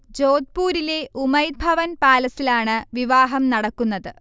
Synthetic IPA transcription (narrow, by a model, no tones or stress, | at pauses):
d͡ʑo̞ːd̪̚puːɾile̞ʔumɐjd̪̚bʱɐʋɐnpaːlɐsilaːɳɨʋiʋaːɦɐmnɐɽɐkːunːɐðɨ